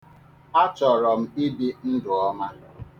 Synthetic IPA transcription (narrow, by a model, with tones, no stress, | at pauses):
a˦t͡ʃɔ˨ɾɔ˨m̩˦i˦bi˦n̩˦dʊ˨ɔ˦ma˦